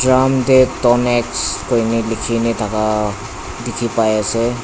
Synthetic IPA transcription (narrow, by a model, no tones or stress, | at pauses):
dɹamdɛtɔnɛkskojnilikʰinitʰaka | dikʰipajasɛ